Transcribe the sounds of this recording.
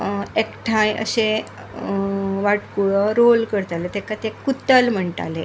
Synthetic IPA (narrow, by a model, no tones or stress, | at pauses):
ekʈʰãjə̰ɕẽ | ʋaʈkuɭəɾolkəɾt̪alet̪ekat̪ekːut̪əlm̤əɳʈa̰le